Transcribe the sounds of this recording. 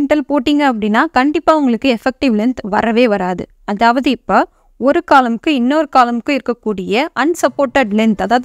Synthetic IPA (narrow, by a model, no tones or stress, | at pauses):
ɳʈɐlpoːʈːiːŋɡɐːp̬ːɐɽɪnːaːkɐɳɖɪpːaːʊŋɡɐɭɯkːɯɛfɛk̚ʈɪʋlɪnt̪ʋɐɾɐʋeːʋɐɾaːðɯ̰ | ɐðaːʋɐðɯɪpːɐː | ɔɾɯkaːlɐmkːɯɪnːoːɾɯkaːlɐmkːɯɪɾɯkːɐkːuːɽɪjɐʔɐnsɐpːoːʈːɐɖlɛnt̪ɐðaːʋɐð